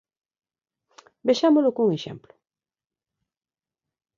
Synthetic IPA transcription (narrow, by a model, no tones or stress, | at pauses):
beʃamolʊkuŋeʃɛ̰mplʊ